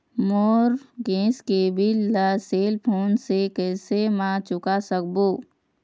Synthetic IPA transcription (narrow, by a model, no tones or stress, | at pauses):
moːɾɡẽːskebʱilləseːlpʰoːnsekɛːsemãt͡ʃʊkasək̚boː